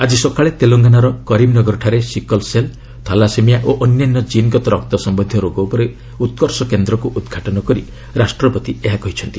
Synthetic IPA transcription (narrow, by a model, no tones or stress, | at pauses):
ad͡ʒisɔkʰaɭet̪eloŋɡanaɾɔkɔɾimnɔɡɔɾɔʈʰaɾesikɔlsel | t̪ʰalasemijaʔoʔɔnjanːɔd͡ʒinɡɔt̪ɔɾɔk̚t̪ɔsɔmbɔnd̪ʱjɔɾoɡɔupɔɾe | ut̪̚kɔɾsɔkend̪ɾɔkuʔud̪ɡʱaʈɔnɔkɔɾi | ɾasʈɾɔpɔt̪ieɦakɔɦit͡ʃʰɔnt̪i